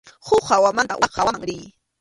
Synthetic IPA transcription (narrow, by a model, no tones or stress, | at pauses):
hʊhawamant̪a̰ʔhawaŋɾɪː